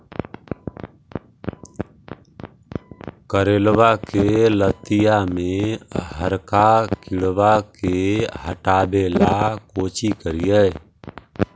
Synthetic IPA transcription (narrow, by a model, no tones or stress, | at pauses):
kəɾeːlʋakelət̪ɪjamẽɦəɾkakɪɽwakeɦəʈaːbelakoːt͡ʃikəɾijɛ